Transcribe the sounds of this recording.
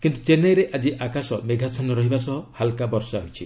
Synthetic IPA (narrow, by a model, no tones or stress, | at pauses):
kint̪ut͡ʃenajɾeʔad͡ʒiʔakasɔmeɡʱat͡ʃʰɔnɔɾɔɦibasɔɦɔhalkabɔɾsɔaɦit͡ʃʰi